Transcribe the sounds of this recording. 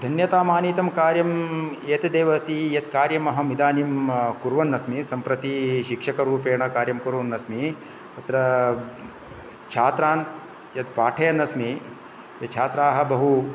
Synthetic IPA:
d̪ʱɐnjɐt̪aːmaːniːt̪ɐmkaːɾjɐmeːt̪ɐd̪eːʋɐst̪ʰijɐt̪kaːɾjɐmɐɦɐ̆mid̪aːnimkuɾʋɐnːɐsmisɐmpɾɐt̪iʃikʂɐkɐɾuːpeːɳɐkaːɾjɐmkuɾʋɐnːɐsmi | ɐt̪ɾɐ | t͡ʃʰaːt̪ɾaːn | jɐt̪paːʈʰɐjɐnɐsmi | jɐt͡ʃʰaːt̪ɾaːɦɐ̆bɐɦu

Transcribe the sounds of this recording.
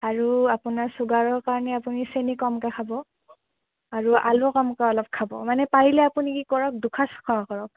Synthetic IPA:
aɹuapunaɹsuɡaɹɔɹkaɹɔnɛapunisenikɔmkakʰabɔ | aɹuʔa̰lʊkɔmkaɔlɔp̚kʰabɔ̰manɛpaɹilɛapunikikɔɹɔk̚dukʰasɔ̥kʰɔakɔɹɔk̚

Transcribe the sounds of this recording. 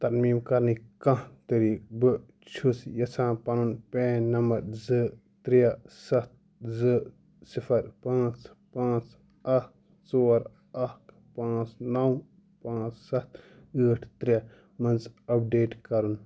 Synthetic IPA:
t̪ɐɾmiːmkɐɾnikɐ̃t̪ɐɾiːkbɨ | t͡ʃʰusjɐsʰãːpɐnunpɛ̃ːnɐmɐɾzɨ | t̪ɾijɐsɐt̪̚ | zɨ | sifʰɐɾpãːt͡spãːt͡s | ɐk | t͡soːɾ | ɐk | pãːt͡snɐw | pãːt͡ssɐt̪̚ʰ | ɨːʈʰt̪ɾijɐ | mɐnzɐb̚ɖeːʈkɐɾun

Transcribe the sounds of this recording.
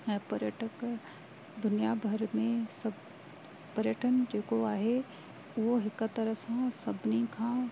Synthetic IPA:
ɛ̃ːpɐɾjəʈək | d̪ʊnijabʱɐɾmẽsɐ | pɐɾjəʈʰənd͡ʑeːkoaːɦe | ʊɦoɦɪkʊ̆t̪ɐɾəsãsɐbʱɪnikʰãː

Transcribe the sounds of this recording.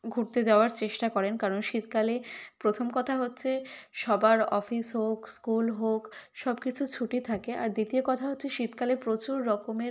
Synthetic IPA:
ɡʱuʈt̪ed͡ʑaoaɾt͡ɕeʃʈakɔɾenkaɾonʃit̪̚kalepɾot̪ʰomkɔt̪ʰaɦotːɕʰeʃɔbaɾɔfisɦokskulɦokʃɔbkit͡ɕʰut͡ɕʰuʈit̪ʰakeʔa̰ɾd̪it̪iokɔt̪ʰaɦotːɕʰeʃit̪kalepɾot͡ɕuɾːɔkomeɾ

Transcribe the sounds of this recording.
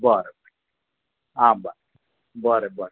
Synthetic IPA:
bɔɾɛb | aba | bɔɾɛbɔɾ

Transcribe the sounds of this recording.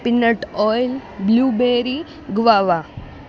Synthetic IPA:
pinːɐʈɔːjlbluːbeːɾi | ɡʋaːʋa

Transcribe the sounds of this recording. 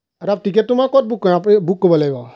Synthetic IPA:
aɾap̚tik̬ɛtumakɔt̚bukːɔapibukːɔbɔlajbɔ

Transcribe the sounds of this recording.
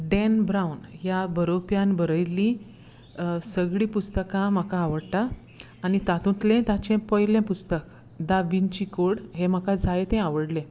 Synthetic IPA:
ɖɛnbɾaunjabəɾopjãnbəɾəjlːĩ | səɡɭiːpust̪əkãm̤akaːʋəɽt̪aː | nit̪at̪ũt̪lẽt̪at͡ɕẽpəjlẽpust̪ək | d̪aʋint͡ɕikoɽɦem̤akad͡zajet̪ẽaʋəɽlẽ

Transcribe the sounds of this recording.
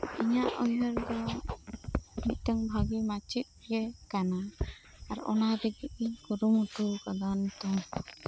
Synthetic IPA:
iɲaʔɔjɦəɾd̪ɔ | mic̪̚ˀt̪aŋbʱaɡimat͡ʃit̪̚ɡɛkanaː | ɾɔ̰nad̪ɛɡiʔikuɾumut̪ukaɡant̪ɔŋ

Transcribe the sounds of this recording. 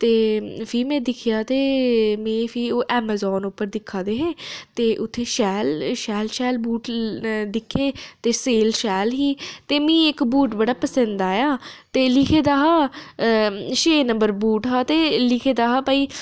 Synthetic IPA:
t̪eːfʰiːmɛ̃ːd̪ɪkʰjaːt̪eːmɛ̃ːfʰiːoːʔɛːmɛːzɔːnʊpːəɾd̪ɪkʰːaːd̪eːɦeːt̪eːʔʊt̪ʰːeːʃɛːlʃɛːlʃɛːlbuːʈd̪ɪkʰːeːt̪eːseːlʃɛːlɦiːt̪eːmĩːɪkbuːʈbəɽaːpəsə̃nd̪aːjaːt̪eːlɪkʰeːd̪aːɦaː | ʃeːnəmbəɾbuːʈɦaːt̪eːlɪkʰeːd̪aːɦaːpaːiː

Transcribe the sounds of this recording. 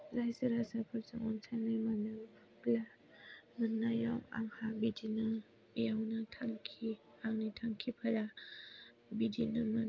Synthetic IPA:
lajsɯɾasapʰɯɾsaŋɔ̰nsʰanɯmanɯpʰɯkla | mənːajawa̰ŋhabidinɯ | jawnatʰaŋkʰi | aŋnitʰaŋkʰipʰaɾa | bidinɯma

